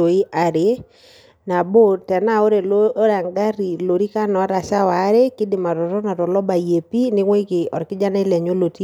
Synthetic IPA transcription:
o˨i˦ʔa˨ɾɪ˨ | na˨bo˦tɛ˨na˦˨o˦ɾe˨lo˦ɾa˨ŋɡa˦ɾi˨lo˨ɾi˦ka˦nɔ˨˦ɾa˨ʃa˦wa˨˦ɾe˦kɪ˦dɪ˨ma˨tɔ˨ɾɔ˦na˨tɔ˨lɔ˦ba˨je˨pi˦nɪ˦ŋwe˦kɪ˨ɔ˨ɾkɪ˦d͡ʒa˦nɛ˦lɛ˨ɲo˦lo˨ti˦

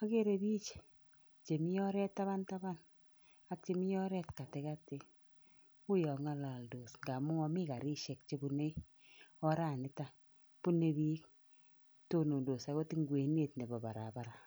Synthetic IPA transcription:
a˦ke˦ɾe˦bi˦t͡ʃe̥˨ | t͡ʃe˨mi˦jɔ˦ɾɛ˦tːa˦βa˦nta˦ba˦n | a˦k̚t͡ʃe˦mi˦jɔ˦ɾɛ˦tka˨te˨˦ka˦te˨ | ʊ˦jɔ˨ŋa˦la˨ldoː˨sŋɡa˨mʊ˦ŋɔ˦mɪ˦ka˨ɾɪ˦ʃɛ˨k̚t͡ʃe˦bu˦ne˦ | ɔ˦ɾa˦˨nɪ˨˦ta˨ | pu˦ne˦bi˦k | to˦no˨ndo˨sa˨ko˦ti˦ŋɡwe˨ne˦˨tne˨bɔ˨ba̰˨ɾa̰˨ba˨ɾa˨

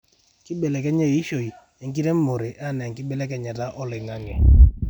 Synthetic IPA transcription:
kɪ˦bɛ˨lɛ˨kɛ˦ɲɛ˦i˦ʃo˨i˨ | ɛ˨˦ŋki˦ɾɛ˦mo˨ɾe˨ʔa˦˨nɛ˨ŋkɪ˦bɛ˦lɛ˦kɛ˨ɲa˨ta˦ʔɔ˦lɪ˨ŋa˦ŋɛ˨

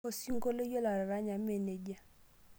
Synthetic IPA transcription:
o˨si˦ŋ˦ɡo˦le˦jo˦la˨ɾa˨ɾa˨˦ɲa˨˦me˨ne˨d͡ʒa˦

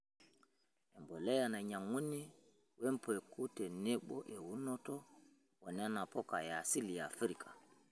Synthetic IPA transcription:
ɛ˨mbɔ˨lɛ˦jana˨ɲa˨ŋwu˦nːi˦ | wɛ˦mpɔɛ˨ku˦tɛ˨ne˦ɓɔ̰ʔɛ˨wu˦nːɔtɔ | wɔ˨na˦na˨pɔka˨jasi˦lijafi˦ɾikʰḁ˨

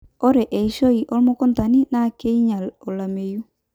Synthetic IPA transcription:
ɔ˦ɾɛ˨ʔɛ˨i˨ʃo˦i˨ʔɔ˦lmɔ˦kɔ˦nta˨ni˦na˦ke˦i˦ɲa˨lɔ˨la˨me˨ju˦

